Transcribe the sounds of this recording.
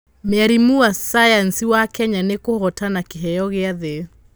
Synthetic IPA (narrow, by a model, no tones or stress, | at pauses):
meaɾimuasajansiwakɛɲanekohɔtanakeɦɛjɔɣeaðe